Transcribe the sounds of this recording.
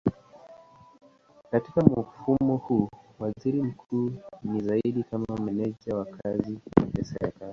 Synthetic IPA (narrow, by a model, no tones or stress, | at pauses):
katikamufumɔhuwaziɾim̩kʰuːnizaiɗikamamɛnɛʄawakʰaziapɛsɛɾɛ̰kali